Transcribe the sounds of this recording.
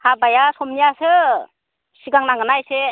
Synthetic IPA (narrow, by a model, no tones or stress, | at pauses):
habajasɔmnijasɯ | siɡaŋnaŋɯnajse